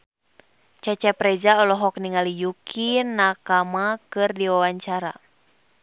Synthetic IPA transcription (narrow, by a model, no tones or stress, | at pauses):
t͡ʃɛt͡ʃɛpɾɛd͡ʒaɔlɔɦɔk̚niŋalijukʰinakamakɨrdiwawaɲt͡ʃaɾa̰